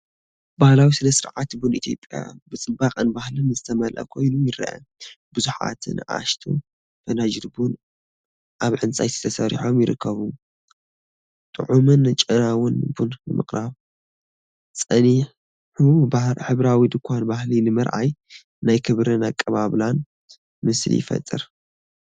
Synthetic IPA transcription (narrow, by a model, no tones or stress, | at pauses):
bahlawisɨnɐsɨɾʕat̪bunit̪ʰjo̞̰pʼja̰bɨt͡sʼɨbaχʼɨnbahlɨnzɨt̪ʰɐmɐlʔɐ̰kʰo̞jnujɪɾɐ̰ʔɐ̰bɨzuħa̰t̪ʰnʔa̰ʃt̪ʰṵ | fʰɐnad͡ʒid̪bun | ʔaβʕɨnt͡sʼajt̪ʰi̥t̪ʰɐsɐɾḭħo̞mjɪɾɨkʰːɐβu | t̪ʼɨʕumɨnt͡ʃʼɐɾawʊnbunbɨmɨχʼɾaβ | t͡sʼɐniħ | ħubaħɨβɾawid̪ɨkʷʰːanbahlinɨmɐɾʔa̰j | najkʰɨβɾɨnakʼːɐβaβlan | mɨslḭjɪ̰fɐ̰t̪ʼːɨ̰ɾ